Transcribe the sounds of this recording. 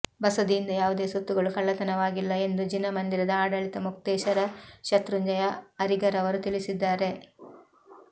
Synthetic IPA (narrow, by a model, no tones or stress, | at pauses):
bɐsɐd̪iind̪ɐjaːʋud̪e̞ːsut̪ːuɡɐɭukɐɭːɐt̪ɐnɐʋaːɡilːɐe̞nd̪ud͡ʒinːɐmɐnd̪iɾɐd̪ɐaːɽɐɭit̪ɐmuk̚t̪ɛːʃɐɾɐʃɐt̪ɾuɲd͡ʒɐjɐɐɾiɡɐɾɐʋɐɾut̪ilisid̪ːaːɾe̞